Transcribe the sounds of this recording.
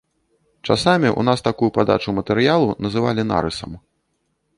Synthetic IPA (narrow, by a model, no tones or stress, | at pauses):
t͡ʂa̰samʲiʔṵnast̪akujupad̪a̰t͡ʂumɐt̪ɛɾjalˠunɐzɨva̰lʲina̰ɾɨsɐ̰m